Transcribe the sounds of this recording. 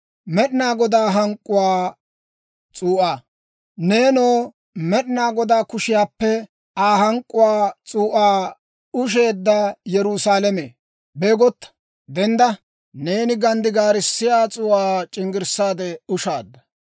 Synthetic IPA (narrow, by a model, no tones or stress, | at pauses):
mɛɗnaːɡɔd̪aːɦɐŋkʼːʊwaː | t͡sʼuːʔaː | ne̞ːnoː | mɛɗnaːɡɔd̪aːkʊʃɪjaːpːɛ | aːɦɐŋkʼːʊwaːt͡sʼuːʔaː | ʊʃ̬e̞ːd̪ːɐjɛɾusaːlɛmeː | beːɡɔt̪ːɐ̥ | d̪ɛnd̪ɐ | ne̞ːnɪɡɐnd̪ɪɡaːɾɪsːɪjaːt͡sʼʊːaːt͡ʃʼɪŋɡɪɾsaːd̪ɛʊʃaːd̪ːɐ